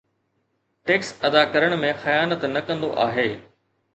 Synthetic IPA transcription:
ʈeːksɐd̪akɐɾəɽ̃mẽxɐjaːnət̪nɐkɐ̃nd̪o̰ʔaːɦeː

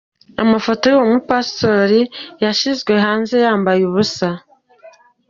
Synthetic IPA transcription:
amafo̞tojowomupasto̞ɾijaʃizɡwe̞ɦaːnze̞jaːmbajuβusa

